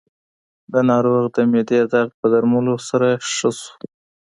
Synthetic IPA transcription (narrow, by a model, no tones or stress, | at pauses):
d̪ənɑɾoɣd̪əmed̪ed̪aɣpəd̪aɾmulosaɾaʂəsu̥